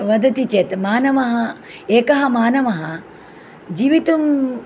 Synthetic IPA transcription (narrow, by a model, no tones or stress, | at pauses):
ʋɐd̪ʱɐt̪it͡ʃet̪maːnɐmɐɦɐ | eːkɐɦɐmaːnɐmɐɦɐ | d͡ʒiːʋit̪um